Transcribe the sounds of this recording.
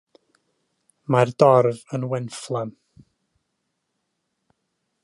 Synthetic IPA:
mardɔrvənwɛnflˠɛm

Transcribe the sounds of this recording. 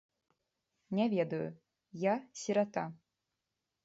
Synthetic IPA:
nʲɛvʲɛd̪ɐjṵ | jasʲiɾat̪a

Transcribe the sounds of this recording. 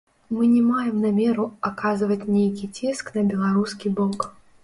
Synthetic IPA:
mɨnʲɛmajɛmnamʲɛɾuakazvɐt͡sʲnʲejkʲit͡sʲɛsknɐbʲɛlˠaɾuskʲibɔk

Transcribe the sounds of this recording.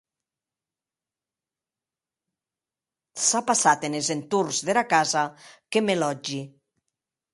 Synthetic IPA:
sapasat̪enezent̪urzðelakazakemelɔd͡ʒi

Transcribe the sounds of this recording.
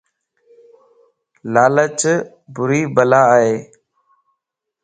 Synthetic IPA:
laːlət͡ʃ | bʊɾiːbəlaːɦeː

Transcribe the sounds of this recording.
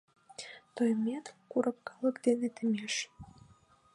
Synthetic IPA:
t̪ojmʲet̪kuɾəp̚kɑlˠəkd̪enet̪emʲeʃ

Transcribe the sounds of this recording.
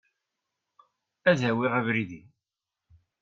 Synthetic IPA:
æðæwɪʁævɾiði

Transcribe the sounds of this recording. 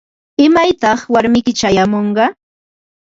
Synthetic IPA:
ɪmajt̪ɑχwaɾmɪjkɪt͡ʃajamoɴɢɑ

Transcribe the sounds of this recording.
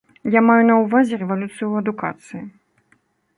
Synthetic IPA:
jamajunɐwvazʲɛɾɛvalʲut̪sɨjuɐd̪uka̰t̪sɨji

